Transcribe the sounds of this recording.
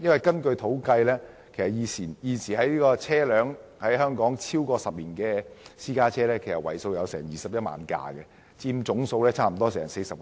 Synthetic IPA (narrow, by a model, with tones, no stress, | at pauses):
jɐ˥nwɐ˨jkɐ˥nkɵ˧ɥt̪ʰo˨˥wkɐ˧jlɛː˥ | kʰe˨˩sɐ˨˩jiː˨˧t͡sʰiː˨˩njiː˧siː˨˩hɐ˨˥jliː˥kɔː˧t͡sʰɛː˥lœː˨˥ŋhɐ˨˥jɦœː˥ŋkɔː˨˥ŋt͡sʰiː˥wkɔː˧sɐ˨p̚liː˨˩nkɛː˧siː˥kaː˥t͡ʃʰɛː˥lɛː˥kʰe˨˩sɐ˨t̚wɐ˨˩jso˧wjɐ˨˧wsɛ̰ː˨˩ŋjiː˨sɐ˨p̚jɐ˥t̚ma̰ː˨˧˥nka̰ː˧ɡɛ˧ | t͡siː˧mt͡sʊ˨˥ŋso˧wlɛː˥t͡sʰaː˥m̩˨˩t̪ɔː˥sɛː˨˩ŋse˧jsɐ˨p̚